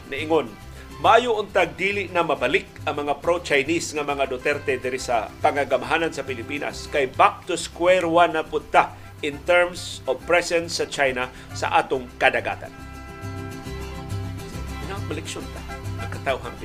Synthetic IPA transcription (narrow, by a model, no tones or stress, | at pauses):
naʔɪŋon | maʔaːjʊʔʊnt̪aɡ̚d̪iːlɪʔnamɐbɐlɪkɐŋmɐŋapɾot͡ʃajnisŋamɐŋad̪ʊt̪ɛɾt̪ɛd̪ɪɾisapaŋaɡamɦaːnansɐpɪlɪpiːna̰skajbap̚t̪ʊskwɛɾwanapʊd̪̚t̪a | ʔɪnt̪ɛɹmsovpɹɛsɛnsːɐt͡ʃajna | sa̰ʔa̰ːt̪ʊŋkad̪aɡa̰ːt̪a̰n | nat̪̚mlɛkʃont̪aɐŋkɐt̪awɦan